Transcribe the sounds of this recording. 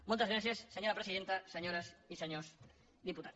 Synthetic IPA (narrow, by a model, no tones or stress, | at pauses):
molˠt̪azɣɾaθjasːeɲoɾapɾesiðent̪aseɲoɾasiseɲos | ðiput̪a